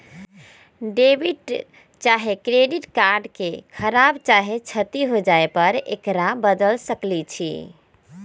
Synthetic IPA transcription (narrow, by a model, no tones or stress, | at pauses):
ɖebiʈ | t͡ʃaɦekɾeɖiʈkaɾɖkekʰəɾabt͡ʃaɦet͡ʃʰət̪iɦod͡ʒaepəɾḛkɾabəd̪əlsəklit͡ʃʰḭ